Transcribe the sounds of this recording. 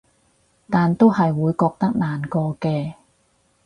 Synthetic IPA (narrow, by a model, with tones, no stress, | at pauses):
t̪aː˨nt̪o˥wɦɐ˨jwuː˨˧jkɔː˧k̚t̪ɐ˥k̚naː˨nkɔː˧kɛː˧